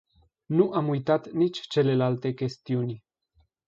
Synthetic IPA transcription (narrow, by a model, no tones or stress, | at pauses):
nuʔamujt̪at̪nit͡ʃʲt͡ʃe̞le̞lalt̪e̞kʲe̞st̪iunʲ